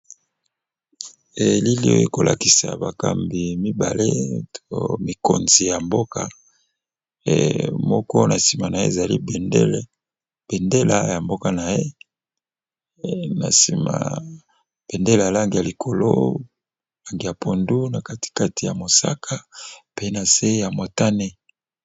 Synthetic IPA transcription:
e˨li˦li˦o̰˦je˦˨ko˨lʔa̰˨ki̥˨sa̰˨ba˨ka̰˨mbi˨mi˦ba̰˨le˦to˦mi˨ko˨nzi˨ja˨mbo˦ka˦˨ | mɔ˦kɔ˦na˨si˨ma˨na˨je˦e˨za˨li˦b | b̥e˨nde˦la̰˦ja˨mbo˦ka˦na˨je˦ | na̰˨si˨ma̰˨ | b̥e˨nde˦la˨la˦ŋɡi˨ja˨li˨kʰo˨lo̰˦ | la˦ŋɡi˨ja˨pʰo˨ndu˦na˨ka˦ti̥˨ka˦ti˨ja˨mo˨sa̰˦kʰa˦pe˨i˦na˨se˦ja˨mo˨ta˦ne˦

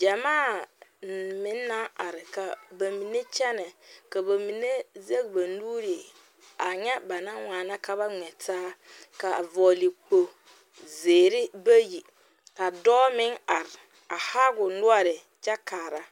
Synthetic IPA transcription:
d͡ʒa˨maː˦˨ | mɪ˦nːa˦a˨ɾɪ˨ka˨ba˨mi˨ne˦t͡ʃɛ˦nɛ˨ka˨ba˨mi˨ne˦ze˦k̚ba˨nuː˦ɾe˨ | a˨ɲɛ˦ba˨na˦ŋaː˨na˦ka˨˦ba˦ŋɛ˨taː˦ | ka˨vɔː˨li˨k͡po˨ | zeː˨ɾɪ˦ba˦ji˨ | ka˨dɔː˦mɪ˦ŋa˨ɾɪ˨ | a˨ha˦ɡʊ˨nʊ˦a˦ɾɪ˨ | t͡ʃɛ˦kaː˨ɾa˦

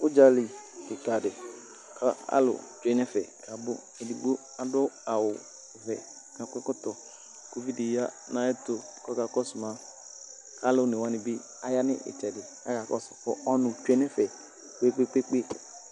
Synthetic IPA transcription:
ʊ˦d͡ʒa˨li˨ɪ˨ka˨dɪ˨ | kʰa˦a̰˦lʊ̰˨t͡ʃe˨˦nɛ˦fɛ̰˨ka˨bʊ˦ | ɛ˨di˨ɡ͡bo˦ | a˨dʊ˦a˨wʊ˨ | vɛ˨ | ka˨kʊ˦kʊ˦tɔ˨ | ko˦vi˦dɪ˨ja˦ | nã˦ɛ˦to˨kɔ˦ka˨kɔ˦sʊ˨ma˨ | ka˦lʊ˦nɪ˨wa˦nɪ˨bɪ˦ | a˨ja˦nɪ̰˦ʔɪ̰˨t͡ʃɛ˨dɪ˨ | a̰˦ka˨kɔ˦sʊ̥˨kʊ˦ɔ˦nʊ̃˨t͡ʃʷe˦nɛ˦fɛ˨ | k͡pe˦k͡pe˦k͡pe˦k͡pe˦

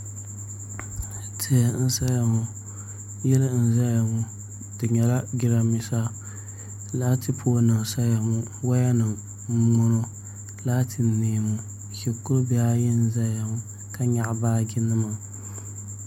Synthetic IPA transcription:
tʰe˨n̩˦sa˦ja˨mu˨˦ | jɛ˦lɨ˦n̩˨za˦ja˨mu˦ | d̥ɨ˨ɲɛ˨la˦ɡʲi˦ɾa˦mi˨sa˦ | la˦tʰɨ˦pʰoː˦na˨sa˦ja˨mu˦ | wa˦ja˦nɨ˨m | ŋ͡m̩˦mo˦no˦ | laː˦tʰɨ˨neː˨mu˦ | ki˨kʊ˦ɾbi˦a˦jɛ˦n̩˦za˦ja˨mu˦ | ka˦ɲa˦ʔbaː˦ɡʲɪ˦nɨ˦ma˨

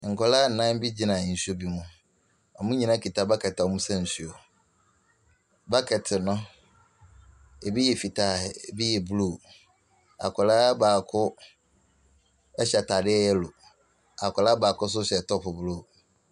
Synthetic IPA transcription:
ŋ̩˨kʰʷɔ˨la˦˨nã˦m˦bi˦d͡ʑi˦nã˨n̩˨so˦bi˨mũ˦ | ɔ˨mʊ̃˦ɲĩ˨nã˦kʰi˨ta˦ba˦kʰɛ˨tmũ˦sɛ̃˦n̩˨su˨o˨ | ba˦kʰɛ˨tʰɪ˨nʊ̃˦ | e˨bi˦jɛ˨fi˨tʰa˦˨e˨bi˦jɛ˨blu˦˨ | a̰˨kʰɔ˨laː˦baː˨kʰʊ˦ | ɛ˦ɕɛ˨tʰa˨dɪ˦ɛ˦jɛ˦lo˨ | a˨kʰʊ˨la˦baː˨kʰʊ˦s̬ʊ˦ɕɛ˨tʰɔ˦pʰʊ˨blo˦˨

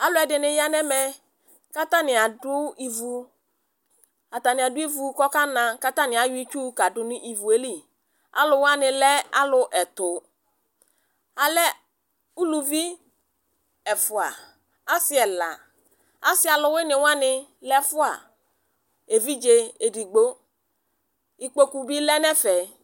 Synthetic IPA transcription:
a˨lʊ˦ɛ˨dɪ˨nɪ˨ja˦nɛ˦mɛ˨ | ka˦ta˦nɪ˨a˨dʊ˦i˨vu˨ | a˨t̪a˨nɪ˨a˨dʊ˦i˦vu˨kɔ˦ka˦nã˨ka˦ta˦nɪ̃˨a˨jʊ˦i˦t͡ʃu˦ka˨dʊ˨nʊ̃˦ʔi˨vu˨e˦li˦ | a̰˦lʊ˨wa˦nɪ̃˨lɛ˦a̰˦lʊ˨ʔɛ˨tʊ˨ | a˨lɛ˦ | u˦lu˨vi˦ | ɛ˨fʊ˨a˨ | a˦sɪ˦ɛ˨la˨ | a˦sɪ˦a˨lʊ˨we˦nɪ˨wa˦nɪ˨lɛ˦fʊ˦a̰˨ | e˨vi˦d͡ʒe˨e˨di˨ɡ͡bo˦ | i˨k͡po˦ku˨bi˦lɛ˦nɛ˦fɛ˨

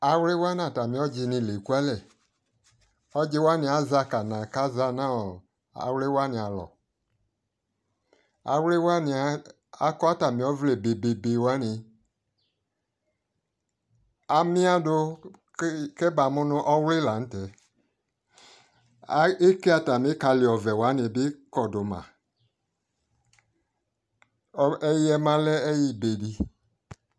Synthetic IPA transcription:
a˧we˦wa˦n˦a˨ta˨mĩ˨˦ɔ˦d͡ʒi˧nĩ˧le˨ku˦a˦lɛ˨ | ɔ˦d͡ʒe˧˦wa˦nĩ˧a˨˦za˧ka˨nã˨ka˦za˧nã˦ɔ˨ | a̰˨we˦wa˦nĩ˧a˨lɔ̰˨ | a̰˨wle˦wa˦ni˧a˦ | a˦kɔ˦a˦ta˨mĩ˨ɔ˦vle˨be˨be˨be˨˧wa˦ni˧ | a˨mĩ˦a˦do˧˦ | kɛ˦ba˨mũ˦nũ˦ʔɔ˦wle˦la˨n̩˦tɛ˨˦ | e˦ke˦a˨ta˨mĩ˦ka˧li˨ɔ˨vɛ˨wa˨˦ni˨˧˨be˦kɔ˨do˨mã̰˨˦ | ɛ˦ji˦ɛ˧mã˨lɛ˦ɛ˦ji˦be˨di˨

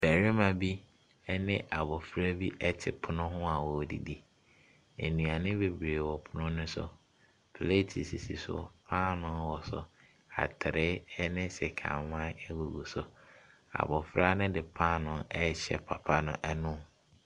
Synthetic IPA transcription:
b̥æ˨ɾɪ˦mã˨bi˦ | ɛ˦nɪ̃˦ʔa˨bɔ˨fɾa˦bi˦ʔɛ˦tʰɪ˨pʰʊ˨nʊ̃˦ɦʊ̃˦a˨wɔ˨dḭ˨di˨ | e˨nũ˨a˨nɪ̃˦be˨bɾeː˨wɔ˨pʰʊ˦nʊ̃˦nʊ̃˦sʊ̰˦ | pʰle˦˨tʰi˨si˨sḭ˨sʊ̰˦pʰã˦nʊ̃˦nwɔ˨sʊ̰˨ | a̰˨tʰɪ˨ɾɪ˦nɪ̃˦sɪ˨kʰã̰˨mmã˦ɛ˦wu˨ɡu˨sʊ˨ | a̰˨bɔ˨fɾa˦nʊ̃˦dɪ˨pʰã˦nʊ̃˦nɛ˦˨ɕɛ̰˨pʰa˨pʰa˦nʊ̰̃˨ʔɛ˦nʊ̃˦

